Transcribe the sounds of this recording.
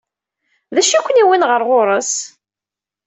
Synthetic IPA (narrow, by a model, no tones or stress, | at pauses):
ðæʃækʷːəniwinʁəɾˤʁoɾˤəs